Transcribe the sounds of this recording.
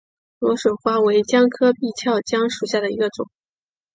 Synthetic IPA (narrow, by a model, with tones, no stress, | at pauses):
lwɔ˧˥ʂwɤ˨˩xwa˥we˧˥ɪt͡ɕjɑ˥ŋkʰɤ˥pi˥˧t͡ɕʰjɑ˥˩ʊt͡ɕjɑ˥ŋʂu˨˩ɕja˥˩d̪ə˩ḭ˧˥ɡə˧t͡sʊ˨˩˦ŋ